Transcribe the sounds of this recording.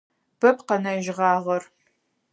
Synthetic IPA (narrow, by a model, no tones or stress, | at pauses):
b̥ɐp̚ʰqɐnɐʒʁɑːʁɐr